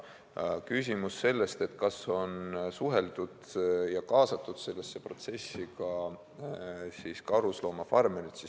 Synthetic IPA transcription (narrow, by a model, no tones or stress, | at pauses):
kysʲimusːe̞lːe̞st̪e̞t̪kɑso̞nsuɦe̞ld̪̥ud̪̥jɑkɑːsɑt̪ːˑud̪̥se̞lːesːe̞pro̞t̪se̞sːikɑ | siːskɑɾuslo̞ːmɑfɑrmenit̪si